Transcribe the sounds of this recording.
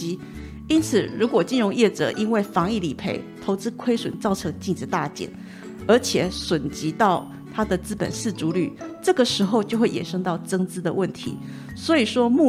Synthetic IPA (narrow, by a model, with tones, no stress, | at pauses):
i˥ | i˥nt͡sʰɹ̩˨˩ɻu˧˥kwɔ˨˩t͡ɕi˥˧nɻʊ˧˥ŋjɛ˥˩ʈ͡ʂɤ̰˨˩˦ʔi˥nwe˥˩ɪfɑ˧˥ŋi˥˩li˨˩pʰe˧˥ɪt̪ʰo˧˥ʊt͡sɹ̩˥kʰwe˥ɪʂwə̰˨˩nt͡sɑ˥˩ʊʈ͡ʂʰɤ˥˧ŋt͡ɕi˥˧ŋʈ͡ʂɻ̩˥˧˦t̪a˥˩t͡ɕjɛ̰˨˩˦n | ə˞˧˥t͡ɕʰjɛ˨˩˦ʂwə˨˩nt͡ɕi˧˥t̪ɑ˥˩ʊ | t̪ʰa˥d̪ə˨t͡sɹ̩˥pə̰˨˩nsɹ̩˥˩ʈ͡ʂu˧˥ly̰˨˩˦ʈ͡ʂɤ˥˩ɡə˩ʂɻ̩˧˥xo˥˧ʊt͡ɕjo˥˧ʊxwe˥˩ɪjɛ̰˨˩nʂɤ˥ŋt̪ɑ˥˩ʊʈ͡ʂɤ˥ŋt͡sɹ̩˥d̪ə˨wə˥˩nt̪ʰḭ˧˥˦ | swɔ˧˥i˨˩ʂwɔ˥mu˥˩